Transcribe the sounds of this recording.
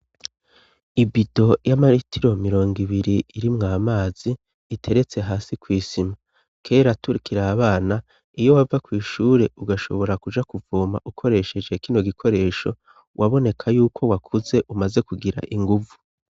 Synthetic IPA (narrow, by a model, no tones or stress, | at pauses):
ibido̞jamaɾitʰiɾo̞miɾo̞ːŋɡiβiɾiːɾimŋaːmaːz̥iː | tʰe̞ɾe̞t͡se̞ɦaːsikwiːsima | kʰe̞ːɾatuɾikiɾaːβaːna | ijo̞wavakwiːʃuːɾe̞uɡaʃo̞̰βo̞ɾakud͡ʒakuvoːma̰ʔukʰo̞ɾe̞ʃe̞d͡ʒe̞kino̞ɡikʰo̞ɾe̞ːʃo̞̰ | wʔaβo̞ne̞kʰajuːkʰo̞wakʰuze̞ʔumaze̞kuɡiɾa̰ʔiŋɡuvu